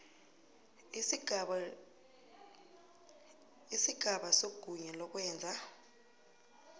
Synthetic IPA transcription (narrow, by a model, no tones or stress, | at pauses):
isiɡ̥ʱaɓasoɡ̥ʱuɲɛlɔk̬ʼwɛːnd͡zʱa